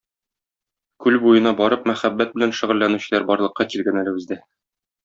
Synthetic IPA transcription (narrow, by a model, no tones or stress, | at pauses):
kʉlbujɤ̆nɑbɒɾɤp̚mæχæbːæt̪̚bɘ̆lænʃɘ̆ʁɘ̆lːænʉɕɘ̆læɾbɒɾlˠɤ̆qːɑkilɡænælɘ̆bɘ̆zd̪æ